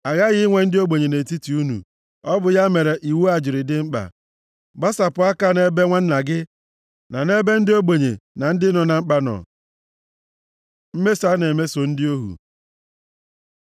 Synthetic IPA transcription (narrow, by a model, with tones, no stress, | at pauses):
a˨ɣa˦ɣɪ˦ŋʷe˨n̩˦dɪ˦o˦ɡ͡be˨ɲe˨ne˨ti˦ti˨u˦nṵ˨ | ɔ˦bʊ˨ja˦me˨ɾe˨ʔi˨wu˦a˦˨d͡ʒɪ˨ɾɪ˨dɪ˦ŋ͡m̩˦k͡pa̰˨ | ba˦sa˨pʊ˨a˦ka˦ne˨be˦ŋʷa˦n̩˦na˨ɡɪ˦ | na˨ne˦be˦n̩˦dɪ˦o˦ɡ͡be˨ɲḛ˨na˨n̩˦dɪ˦nɔ˨na˨ŋ͡m̩˦k͡pa˦nɔ̰˨ | m̩˦me˦sa˦ne˨me˦so˨n̩˦dɪ˦o˦ɦṵ˨